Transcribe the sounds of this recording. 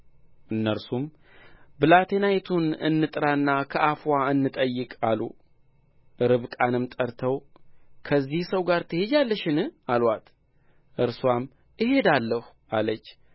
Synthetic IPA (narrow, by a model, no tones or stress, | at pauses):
ʔɨnːəɾsum | bɨlat̪ʰe̞najt̪ʰunɨ̰nːɨt̪ʼɾaɨnːakʰəʔafwaɨnːɨt̪ʼəjːɨkʼalṵ | ɾɨβkʼanɨmt̪ʼəɾt̪ʰəw | kʰəzːihsəwɡaɾt̪ʰɨhed͡ʒalːəʃɪnɨalwat̪ | ʔɨɾswam | ʔɪhe̞d̪alːəh | alət͡ʃː